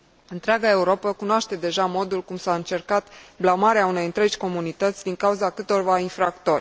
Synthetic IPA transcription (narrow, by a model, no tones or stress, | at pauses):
ɨnt̪ɾeaɡae̞uɾo̞pəkunoaʃt̪e̞d̪e̞ʒamo̞d̪ulkumsaɨnt͡ʃe̞rkat̪blamaɾeaune̞jɨnt̪ɾe̞d͡ʒʲko̞munit̪ət̪sʲd̪iŋkauzakɨt̪o̞rvainfɾakt̪o̞rʲ